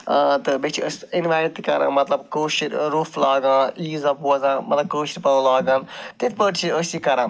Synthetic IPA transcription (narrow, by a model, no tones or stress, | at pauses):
t̪ɨbet͡ʃʰiəsinʋaːt̪ikɐɾʔã̰ːmɐt̪lɐbkoːʃiɾɾuːflaːɡãːniːzɐpuɐzãːmɐt̪lɐb̚koːʃiɾpɐlaːɡãːnt̪it̪ʰpəɖt͡ʃʰiəsikɐɾãː